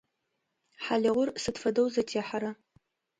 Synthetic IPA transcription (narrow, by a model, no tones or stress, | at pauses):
ħalɪʁʷʊrsɨdfɐdowzɐtʰeːħaɾa